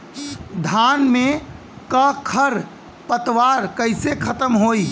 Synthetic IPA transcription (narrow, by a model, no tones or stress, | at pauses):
d̪ʱanme | kəkʰəɾ | pət̪waɾkəɪsekʰət̪əmɦoi